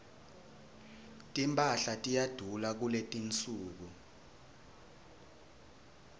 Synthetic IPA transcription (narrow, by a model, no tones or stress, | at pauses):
tʼimpʼaɬatʼijad̥ʱulak̬uletʼint͡sʼuːk̬u